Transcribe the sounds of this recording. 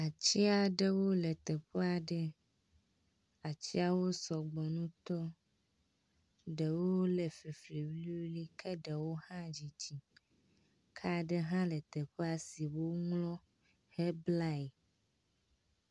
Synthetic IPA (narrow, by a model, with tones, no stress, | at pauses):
a˨t͡ɕi˦a˨ɖe˦wo˦le˨t̪e˨ɸe˦a˨ɖe˦ | a˨t͡ɕi˦a˦wo˦sɔ˨ɡ͡bɔ˨nũ˦t̪ɔ˦ | ɖe˨wo˦le˨fe˨fli˨wli˦u˦li˦kʰe˦ɖɛ˨wo˦hã˦d͡ʑi˨t͡ɕi˨ | kʰa˦ɖe˦ɦã˦lɛ˨t̪e˨ɸe˦a˨si˨wo˦ŋlɔ̃˦ | he˦bla˦˨